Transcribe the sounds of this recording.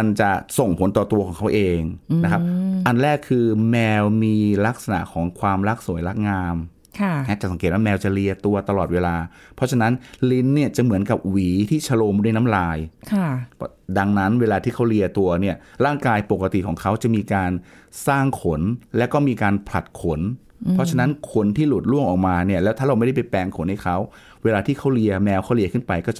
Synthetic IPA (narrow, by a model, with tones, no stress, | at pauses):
ma˧nt͡ɕa˨˩so˨˩ŋpʰo˩˦nt̪ɔː˨˩t̪u˧ɐkʰːŋkʰa˦˥wʔeː˧ŋna˦˥kʰa˦˥p̚ʔa˧nɾɛː˥˩kʰːɯː˧mɛː˧wmiː˧la˦˥k̚sa˧na̰˨˩ʔkʰɔː˩˦ŋkʰwaː˧mla˦˥k̚su˨˩˦jla˦˥k̚ŋaː˧m | kʰa˥˩nɛ˦˥t͡ɕa˨˩sa˩˦ŋkeː˨˩t̪̚wa˥mɛː˧wt͡ɕa˨˩ɾi˧ət̪u˧ɐt̪a˧lɔː˨˩t̪̚weː˧laː˧pʰɔ˦˥t͡ɕʰa˧na˦˥nli˦˥nːi˥˩ɐt͡ɕa˨˩mɯ˩˦ənka˨˩p̚wiː˩˦t̪ʰiː˥˩t͡ɕʰa˧loː˧m˦du˥˩˨jna˦˥mɾaː˧jkʰa˥˩ | da˧ŋna˦˥nweː˧laː˧t̪ʰiː˥˩a˦˥wli˧ɐt̪u˧ɐni˥˩ɐɾaː˥˩ŋkaː˧jpo˨˩kːa˧t̪i˨˩kʰɔː˩˦ŋkʰa˦˥wt͡ɕa˨˩miː˧kaː˧nsaː˥˩ŋkʰo˩˦nlɛː˦˥wkɔː˥˩miː˧kaː˧npʰla˨˩t̪̚kʰo˨˩˦n | pʰɔ˦˥t͡ɕʰa˧na˦˥nkʰo˧nt̪ʰiː˥˩lu˨˩t̪̚lu˥˩əŋʔɔː˨˩k̚maː˧ni˥˩ɐlɛː˦˥wt̪ʰaː˥˩ɾa˧m˥˩da˥˩pa˧˩jpɛː˧ŋkʰo˩˦nha˥˩kʰa˦˥w | weː˧laː˧iː˥˩kʰa˥wli˧ɐmɛː˧wkʰa˦˥wli˧əkʰɯ˥˩npa˧jkɔː˥˩˨